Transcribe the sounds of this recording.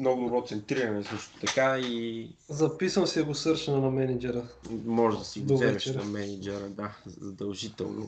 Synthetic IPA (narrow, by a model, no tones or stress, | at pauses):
mnɔɡʊd̪obɾɔt̪sɛnt̪ɾiɾɐnɛsɤʃt̪ʊ̥t̪ɐkaizɐpisəmsiɐɡʊsɤɾʃɐnɐnɐmɛnid͡ʒɛɾəmɔʒɛd̪ɐsiɡdoovɛɛɛt͡ʃʃɛɾnɐmɛnid͡ʒɛɾəd̪azɐd̪ɐlˠʒit̪ɛ̰lˠnʊ̰